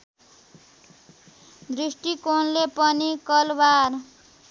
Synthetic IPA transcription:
d̪risʈikonlepʌnikʌlbar

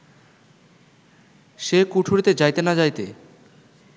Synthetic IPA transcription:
ʃekuʈʰoɾit̪ed͡ʑajt̪enad͡ʑajt̪ḛ

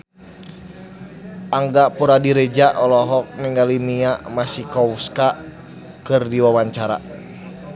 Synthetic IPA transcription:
aŋɡaʔpuɾadiɾɛd͡ʒaʔɔlɔɦɔk̚nɛŋɡalimiamasikɔwska | kɨrdiwawaɲt͡ʃaɾa̰

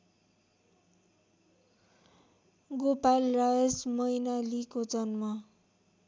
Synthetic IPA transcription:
ɡopalrajʌsmʌjnalikod͡zʌnma

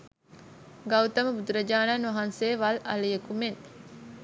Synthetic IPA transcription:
ɡawt̪ɐməbud̪uɾɐd͡ʒaːnanʋɐɦansejːʋalɐləjəkumen

